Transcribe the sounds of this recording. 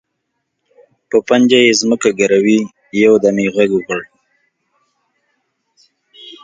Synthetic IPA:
pəpand͡ʒajezməkaɡaɾawi | jawd̪amiɣaɡuɣəɽ

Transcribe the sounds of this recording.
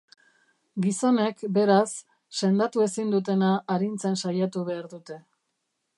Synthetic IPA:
ɡiso̞ne̞kbe̞ɾasː | e̞nd̪at̪ue̞sind̪ut̪̬e̞naʔːɾint͡se̞nsajat̪uβe̞aɾðut̪e̞

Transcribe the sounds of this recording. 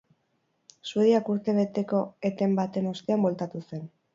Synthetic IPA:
sueðiakuɾt̪e̞βe̞t̪e̞ko̞et̪e̞mbat̪e̞no̞st̪e̞ambo̞lt̪at̪use̞n

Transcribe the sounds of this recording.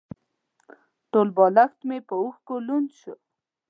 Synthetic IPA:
ʈolbɑlaxt̪mepəuxkolunʃu

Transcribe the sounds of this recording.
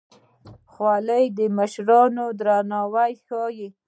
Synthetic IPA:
xwɑləjd̪əməʃɾɑnod̪ɾanɑwajxɑji

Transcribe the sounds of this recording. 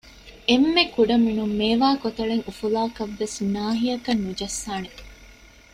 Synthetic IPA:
emːekuɖɐminumːeːʋaːkot̪ɐɭeŋufulaːkɐʋːesnaːɦijɐkɐnːud͡ʒɐsːaːne

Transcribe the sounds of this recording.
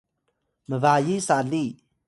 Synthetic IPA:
məvajisali

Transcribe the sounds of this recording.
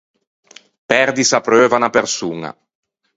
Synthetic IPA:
pɛrd̪isapɾøːvanapersuːŋa̰

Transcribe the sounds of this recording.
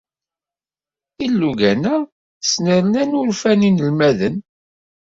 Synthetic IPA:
ilːuɡænæ | snəɾənænʊɾfæninəlmæðən

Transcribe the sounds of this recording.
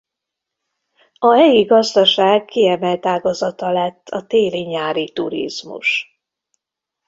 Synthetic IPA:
ɒɦɛjiɡɒzd̪ɒʃaːɡkːiɛmɛlt̪aːɡɒzɒt̪ɒlɛt̪ːɒt̪eːliɲaːɾit̪uɾḭz̥mṵʃ

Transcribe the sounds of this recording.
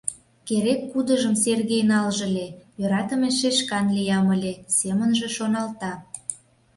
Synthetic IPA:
keɾekːud̪əʒəmserɣejnɑlʒə̆lʲejøɾɑt̪əmeʃeʃkɑnlijɑməlʲesemənʒe̽ʃonɑlt̪ɑ

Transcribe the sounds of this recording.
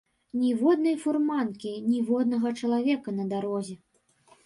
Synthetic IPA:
nʲivɔd̪nɐjfurmankʲinʲivɔd̪̚nɐɣɐt͡ʂɐlˠavʲɛkɐnɐd̪aɾɔzʲɛ

